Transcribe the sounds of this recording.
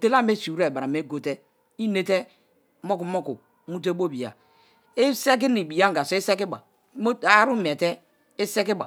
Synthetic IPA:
te˦la˦me˦si˨˦ɾe˨ba˨ɾa˨me˨˦ɡo˨te˦ | i˦ne˦te˦ | mo˦ku˨mo˦ku˨˦ | mu˦t̬e˦bo˦˨bi˨a̰˨ | e˦se˦k̬i˦ni˨bi˨ja˦ŋ˨ɡa˨si˦se˦ki˦ba˨˦ | mo˦a˦ɾu˦m˨e˨te˦ | e˦se˦ki˦ba̰˨

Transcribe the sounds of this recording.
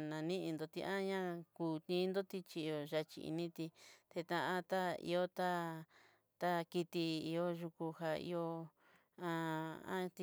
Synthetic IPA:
nã˨nĩ˦ʔi˧nd̪o˨t̪ḭ˧ʔã˦ɲã˦˧kuː˨t̪ĩː˦nd̪o˦t̪i˧t͡ʃi˧o˨ʒa˧t͡ʃḭ˧ḭ˧nĩ˦t̪i˧t̪e˧t̪ã˧ʔã˧t̪a˦ḭ˧o˦t̪a˦ | t̪a˦ki˧t̪i˧i˧o˦ʒu˧ku˧ha˧ḭ˧o˧ | ã˦˧ã̰˦t̪i˧

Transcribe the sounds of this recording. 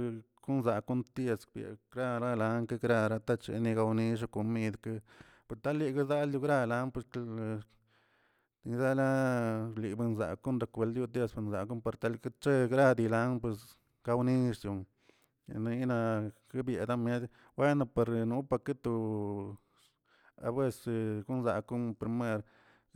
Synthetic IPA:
ku˦nza˨ku˦nt̪je˧sbjḛ˨ɡɾa˧ɾa˦la˧ŋka˦ɡɾa˧ɾa˧t̪a˦t͡ʃḛ˧ni˧ɡa˧wni˧ʂ̬a˧ko˨mi˦d̪ka˦ | pe˧st̪a˦lːi˧ka˦za˦lju˧ɡɾa˧la˧˦npwe˧s | i˧d̪a˦la˦li˨be˧nza̰˨ku˦nd̪a˧kʷe˨ld̪ju˧t̪je˧spe˧nza̰˨ku˦npa˧ɾt̪a˧lkt͡ʃe˦ɡɾa˦d̪i˧la˦np̬we˧s | ɡ̥a˧wni˦ʂd̪u˨ | n˧i˦na˧ka˦bje˨d̪a˦mje˦d̪ | we˦na˧pe˧ɾnu˧˦pa˧ke˦t̪u˧˨ | a̰˧bwe˦˧se˧ɡu˦nza˨ku˦mpɾi˧me˦ɾ

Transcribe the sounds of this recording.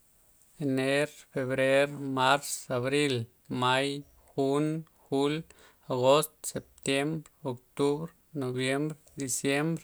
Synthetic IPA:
ene˦ɾfe˨βɾe˦ɾma˦ɾsa˨βɾi˦l | ma˦j | xu˦n | xu˦l | aɣo˦st̪se˨p̚t̪je˦mbɾo˨k̚t̪u˦βɾ | no˨βje˦mbɾ | d̪i˨sje˦mbɾ

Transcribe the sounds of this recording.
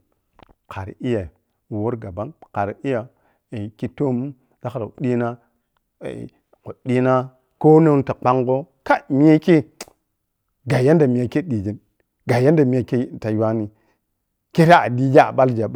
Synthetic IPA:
kʰa˨ɾi˦ja˨ | wo˦ɾɡa˨ba˦nka˨ɾi˨i˦ja˨ | ki˦to˦m˦ | za˦kɾa̰˨ɗi˦na̰˦˨ | ko˨ɗi˦na˦ | ko˦na˦n˦ta˨k͡pa˦ŋɡo˦ | ka˦mi˦ja˦ke˦ | ɡa˨ja˦nda˨mi˨ja˨ke˦ɗi˨d͡ʒi˨n | ɡa˨ja˦nda˨mi˦ja˨ke˦ta˨jwa˦ni˨ | ke˦ɾa˦a̰˨di˦d͡ʒa˦a̰˨ɓa˦ld͡ʒa˨ɓ

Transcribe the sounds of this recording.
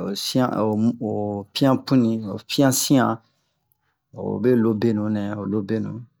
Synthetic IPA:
o˨sĩ˦ã̰˦˨o˨o˨pi˦ã˦pũ˦nĩ˨o˨pĩ˦ã˦sĩ˦ã˨ | o̰˨be˦lo˦be˦nũ˨˦nɛ̃˨o˨lo˦be˦nũ˨

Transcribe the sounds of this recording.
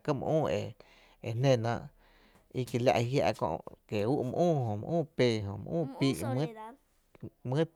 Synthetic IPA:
kə˦mə̰̃˧ʔũː˦˨e˨ | e˨n̥ẽ˧˨nã˧ʔ | i˧ki˨lja̰˧ʔi˧hja̰˧ʔkõ̰˧ʔke˨u˦ʔmə̰̃˧ʔũː˦˨ɦõ˨mə̰̃˧ʔũː˦˨pe˧˨ɦõ̰˨mə̰̃˧ʔũː˦˨piː˧ʔm̃˦ | mɨ̃˦

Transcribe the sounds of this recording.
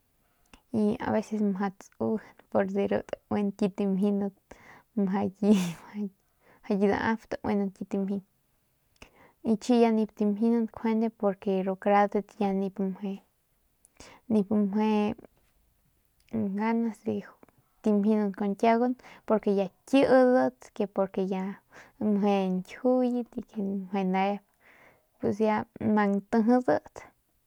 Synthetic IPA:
i˧a̰˨βe˦se˧sma˧t͡su˦npo˧ɾd̪e˧ɾṵ˧t̪we˧nki˧t̪i˧mhi˧nu˧d̪mɦa˧ji˧a | ha˧ji˧d̪a̰˧a˦ft̪ḁ˨wʔḛ˧nu˧ki˧t̪i˧mhi˧n | i˧t͡ʃi˦ja˧ni˧p̚t̪i˧mi˧nu˧d̪kʰwe˦nd̪e˧po˧ɾke˧ɾo˧kɾa˧d̪e˧t̪ja˧ni˧pmwe˧ | ni˧pmwe˧ | ŋɡa˦na˧si˧ | t̪i˧mɦi˧nu˧ko˧nt̪ʲa˦ɡo˦npo˧ɾke˧ja˧kʲɨ˦ʔzə˦t͡s̪ke˧po˧ɾke˧ja˧mwe˧ŋkʲhu˦ji˧t̪i˧ke˧mwe˧na˧e˦p | pwe˧sja˧ma˧ŋt̪ɨ˧ɦɨ˧zə˧t͡s̪

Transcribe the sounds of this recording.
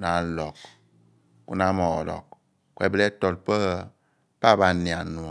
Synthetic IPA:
na˨˦lɔ˨k̚ | ku˦na˦mɔ̰˨lɔ̰˨k | kwɛ˨bi˦lɛ˦tɔ˨l̚pə˦ɣə˦ | pa˦˨ba˨ni˨a˨nu˨ɔ˨

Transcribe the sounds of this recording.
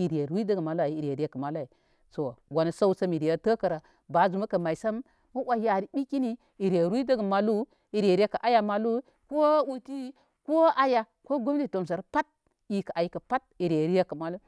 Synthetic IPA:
i˨ɾe˨˦i˦də˦ɡə˨ma˨lu˦a˨ji˦i˨ɾe˨ɾi˦je˦kə˨ma˨lu˦a˨i˨ | so˨wa˨na˨sa˦u˦sa˦mi˨ɾi˨ja˦tə˦kɐ˨ɾa˨ | ba˨˦zu˨ma˦kɐ˨ma˨i˨sa˦mː | u˦wa˦ja˨ɾi˦bi˦ki˦ni˦ | i˨ɾe˨ɾʷdə˦ɡə˨ma˨lu˦ | i˨ɾe˨ɾe˦ka˨ʔa˦ja˨˦ma˨lu˦ | ko˦wu˦ti˦ | ko˦a˦ja˨ | ko˦ɡo˦mdi˦˨to˨ms̬a˨ɾpa˦t̚ | i˨ka˨ʔa˨ji˦kɐ˨pa˦t̚i˨ɾe˨ɾi˦je˦kɐ˨ma˨lu˦

